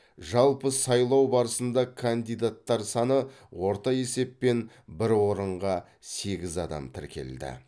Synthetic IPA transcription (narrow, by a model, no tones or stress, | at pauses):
ʒɑlˠpəsɑjlˠɑwbɑɾəsənd̪ɑkʰand̪ijd̪at̪ːɑɾsɑnəwo̞ɾt̪ɑje̞se̞pːe̞n | bɪɾwo̞ɾəɴʁɑ | se̞ɡʲɪzɑd̪ɑ̰mt̪ʰɪɾkʲe̞̰ld̪ɪ̰